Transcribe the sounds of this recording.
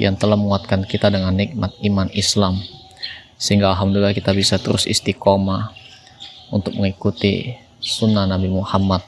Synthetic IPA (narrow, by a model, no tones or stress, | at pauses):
jʔa̰ŋt̪əlaməŋuat̪̚kankit̪adəŋanːik̚mat̪̚imanislam | səɦiŋɡaːlɦamdulakit̪abisat̪əɾʊ̰sḭst̪ikoma | unt̪ʊk̚məŋikut̪ḭ | sunːahnabimuhamat̪̚